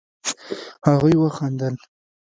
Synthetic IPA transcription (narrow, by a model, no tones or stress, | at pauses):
haɣujwaxand̪əl